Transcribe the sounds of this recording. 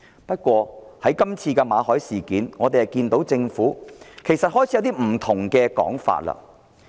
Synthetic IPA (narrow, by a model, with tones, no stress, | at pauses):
pɐ˥t̚kʷɔː˧hɐ˨˥jkɐ˥mt͡sʰiː˧kɛ˧maː˨˧hɔː˨˥jsiː˨˩kiː˨˥nŋɔː˨˧t̪e˨jhɐ˨˩jkiː˧nt̪o˨˥wt͡sɪ˧ŋfuː˨˥kʰe˨˩jsɐ˨t̚hɔː˥jʰɐ˨˧wt̪i˥m̩˨˩t̪ʰʊ˨˩ŋkɛː˧kɔ̰ː˨˥ŋfa̰ː˧t̚lɐ̰˧